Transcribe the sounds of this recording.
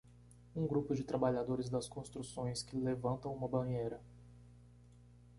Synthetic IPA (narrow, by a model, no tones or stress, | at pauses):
ũɡɾupʊd͡ʒɪt̪ɾabaʎad̪oɾɪzd̪ɐskõst̪ɾusõj̃skɪlevɐ̃nt̪ɐ̃w̃ũmɐbɐ̃ɲejɾɐ